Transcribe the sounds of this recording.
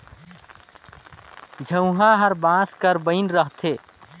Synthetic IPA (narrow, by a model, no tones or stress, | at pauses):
d͡ʒʱə̃ʊɦãɦəɾbãːskəɾbəɪnɾəɦt̪ʰeː